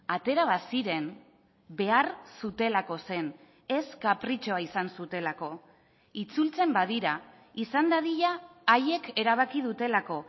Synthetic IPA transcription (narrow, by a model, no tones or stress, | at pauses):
at̪e̞ɾaβasiɾe̞n | be̞aɾsut̪e̞lako̞se̞n | e̞skapɾit͡ʃoaisansut̪e̞lako̞ | it͡sult͡se̞mbað̞iɾa | isand̪aðiʎaːje̞ke̞ɾaβ̞akið̞ut̪e̞lako̞